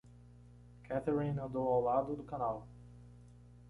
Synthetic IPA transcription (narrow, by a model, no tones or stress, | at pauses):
kʰɛt̪eɹĩnɐ̃nd̪owawlad̪ʊd̪ʊkanaw